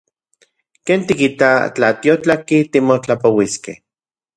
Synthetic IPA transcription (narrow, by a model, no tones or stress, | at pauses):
keːnt̪ikit̪at͡ɬa̰t̪iot͡ɬakit̪imot͡ɬapowiskḛh